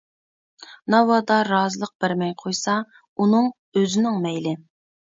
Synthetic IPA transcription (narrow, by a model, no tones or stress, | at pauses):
nɑwɑd̪ɑɾɑːzɨlˠəq̚b̥ɪɾmɛjqʰojsɑ | unɨŋ | øzɪnɪŋmɛjlɪ